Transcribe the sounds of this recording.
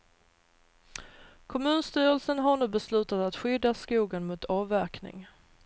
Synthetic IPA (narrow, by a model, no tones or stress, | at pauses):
kʰɔmʉ̟ːnst̪yːɾəlsənɦaɳʉ̟ːbɛslʉ̟ːt̪at̪at̪ɧʏd̪ːaskuːɡanmʊt̪ʰɑːvæɾknɪ̰ŋ